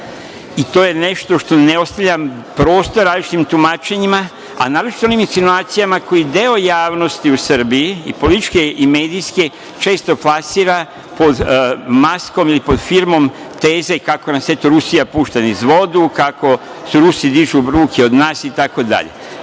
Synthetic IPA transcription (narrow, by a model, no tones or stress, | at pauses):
it̪o̞ːje̞ne̞ʃt̪o̞ʃt̪o̞neo̞st̪aʎʲam | pɾo̞ːst̪o̞ɾaːzlit͡ʃi̥t̪imt̪umaːt͡ʃe̞ɲima | a̰naːɾut͡ʃi̥t̪oonimsinuaːt̪sijamako̞jid̪e̞o̞jaːʋno̞st̪iusəɾbiiḭpo̞lit̪it͡ʃkeime̞ːd̪iske | t͡ʃe̞ːst̪o̞plasiːɾa | po̞d̪masko̞milipo̞d̪fiɾmo̞m | t̪eːze̞kakonaset̪oɾusijapuːʃt̪anizʋo̞d̪ukako̞ | suɾusid̪iʒubɾuːkio̞d̪naːsit̪ako̞d̪a̰ʎḛ